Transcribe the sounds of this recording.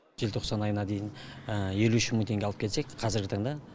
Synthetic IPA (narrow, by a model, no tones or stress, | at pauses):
ʒ̥elt̪ʰo̞qsɑnɑjənɑd̪e̞jɪnəje̞luʏʃɪməŋt̪ʰe̞ŋɡʲeɑlˠəp̚kʰe̞lse̞kʲqʰɑzɪɾɡʲɪt̪ɑɴd̪ɑ